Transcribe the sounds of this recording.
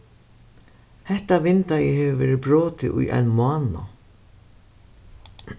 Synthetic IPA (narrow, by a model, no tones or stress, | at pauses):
hɛht̪avɪnt̪ajɛɦɛvɪvɛ̰ːɾɪpɾɔːt̪ɪʔṵjʔa̰jnmʊaːna̰